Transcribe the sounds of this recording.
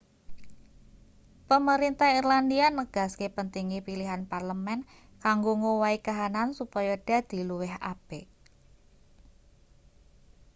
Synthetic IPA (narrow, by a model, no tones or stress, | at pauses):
pəməɾint̪ahirlandianəɡ̥a̤skepənt̪iŋipiliɦanparləmɛn | kaŋɡoŋowaikaɦanansupɔjaɖ̥a̤d̪̥i̤luwɛɦa̰b̥e